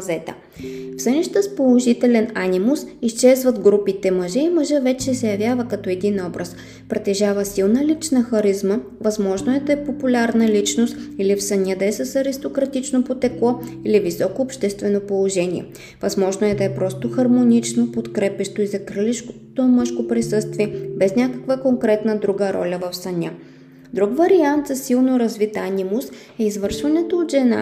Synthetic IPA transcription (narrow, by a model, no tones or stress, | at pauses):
zɛt̪ə̰ | fsənʲiʃt̪əspolˠoʒit̪ɛlɛnanʲimʊsist͡ʃɛzvɐd̪ɡɾupit̪ɛməʒɛiməʒəvɛt͡ʃɛsɛjɐvʲjavəkɐt̪ɔɛd̪inɔbɾəs | pɾɛt̪ɛʒavəsilˠnəlit͡ʃnəxɐɾizmə | vɐzmɔʒnoɛd̪ɐɛpopulʲaɾnəlit͡ʃnost̪ilifsəniəd̪ɛsəsɐɾist̪okɾɐt̪it͡ʃnopot̪ɛklˠɔ | ilivisɔkoːpʃt̪ɛst̪vɛnopolˠoʒɛniɛ̰ | vɐzmɔʒnoɛd̪ɐɛpɾɔst̪oxɐɾmonit͡ʃnopot̪kɾɛpɛʃt̪oizɐkɾəliʃkot̪omɤʃkopɾisɤst̪viɛbɛsnʲakəkvəkoŋkɾɛt̪nəd̪ɾuɡəɾɔ̰lʲəvɐfsɐnʲa | d̪ɾuɡvɐɾiant̪zɐsilˠnoɾɐzvit̪anʲimos | ɛizvɤɾʃvɐnɛt̪oːd̪ʒɛna̰